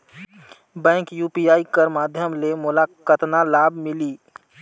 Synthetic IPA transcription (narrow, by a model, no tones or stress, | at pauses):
bɛ̃ːŋkjuːpijaːikəɾmaːd̪ʱjəmlemʊlaːkət̪nalaːbʱmɪliː